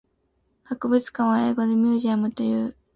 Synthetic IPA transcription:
hakɯ̟bɯ̟t͡sɨ̥kãɰ̃βae̞ːɡo̞d̪emʲjɨːʑiamɯ̟t̪o̞jɯː

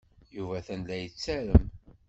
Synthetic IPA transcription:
juvæθænlæjət͡sːæɾəm

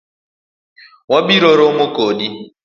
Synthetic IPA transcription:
wabiɾoɾomokodi

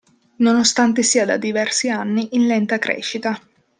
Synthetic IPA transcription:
nonost̪ant̪esiːad̪a̰d̪ivɛrsianːiʔːnlɛnt̪akɾɛ̰ːʃit̪a

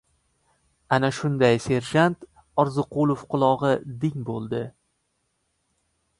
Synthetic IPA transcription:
anaʃʊnd̪ajse̞ɾʒant̪ | ɒɾzɨqʰʊlˠofqʰʊlˠɒʁɨd̪ɪŋbolˠd̪ɪ

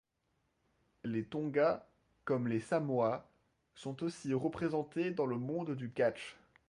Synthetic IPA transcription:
let̪ɔ̃ɡa | kɔmlesamwa | sɔ̃t̪osiʁəpχezɑ̃t̪ed̪ɑ̃ləmɔ̃d̪d̪ykat͡ʃ

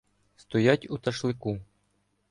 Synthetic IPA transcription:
st̪ɔjatʲut̪ɐʃlˠɪku

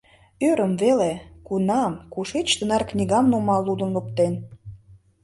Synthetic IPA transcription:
øɾəmvelekunɑmkuʃet͡ɕt̪ə̆nɑrknʲiɣɑmnomɑlːud̪ə̆nlup̚t̪en

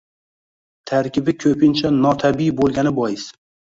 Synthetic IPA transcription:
t̪ʰaɾkʲɪbɪkʰɵpʰɪnt͡ʃʰanɒt̪ʰabijbolˠɡʲanɪbɒjɪs

